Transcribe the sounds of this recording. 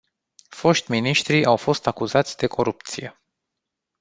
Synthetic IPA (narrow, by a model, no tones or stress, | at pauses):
fo̞ʃt̪ʲminiʃt̪ɾiʔawfo̞st̪akuzat̪sʲd̪e̞kʰo̞ɾupt̪sije̞